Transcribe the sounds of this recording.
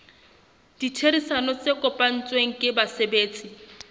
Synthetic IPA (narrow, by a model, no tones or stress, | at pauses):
d̥itʰeɾisanɔt͡sʼekʼɔpʼan̩t͡sʼweŋ̩kʼɪbasebeːt͡sʼi